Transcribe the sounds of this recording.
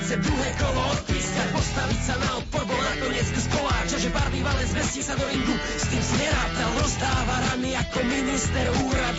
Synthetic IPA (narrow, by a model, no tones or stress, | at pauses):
t͡sɛd̪ɾuɦɛːkɔlɔɔt̪̚piːskacpɔst̪aʋicsanaɔt̪̚pɔɾbɔlnakɔɲɪɛt͡sskɔlaːt͡ʃaʒɛbaɾliːʋalɛnzʋɛsisad̪ɔɾiŋɡu | st̪iːmzɲɛɾaːt̪ald̪ɔst̪aːʋaɾamiakɔminist̪ɛɾuːɾad̪